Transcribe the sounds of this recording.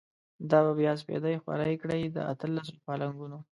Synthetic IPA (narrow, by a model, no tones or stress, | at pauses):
d̪ɑbabjɑs̬pḛd̪ajxwa̰ɾajkɽəjd̪ə̰a̰t̪əlːas̬opɑlaŋɡuno